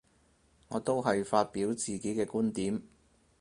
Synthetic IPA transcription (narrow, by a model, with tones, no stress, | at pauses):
ŋɔː˨˧t̪o˥wɦɐ˨jfaː˧t̚piː˨˥wt͡siː˨˩ke˨˥kɛː˧kuː˥nt̪iː˨˥m